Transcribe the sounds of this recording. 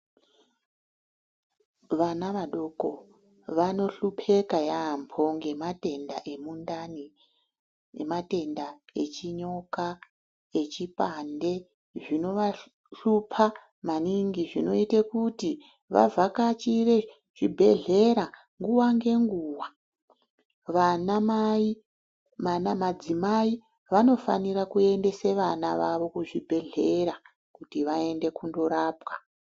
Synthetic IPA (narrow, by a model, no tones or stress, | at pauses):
ʋanaʋaɗoko̞ | ʋano̞ɬupʰe̞kajampʰo̞ŋɡe̞mate̞ndaʔe̞mundani | mate̞ndae̞t͡ʃiɲo̞ka | e̞t͡ʃipande̞ | ʐino̞ʋa | ɬupʰa | maniŋɡiʐino̞itekuti | ʋa̰vʱakat͡ʃire̞ | ʐ̥ibʱe̞ɮe̞ɾa | ŋɡuwaŋɡe̞ŋɡuːwa | ʋanamai | manamad͡zimai | ʋano̞fa̰niɾakue̞nde̞se̞ʋanaʋaʋo̞kuʐibʱe̞ɮe̞ɾa | kutiʋae̞nde̞kundo̞ɾaːpwa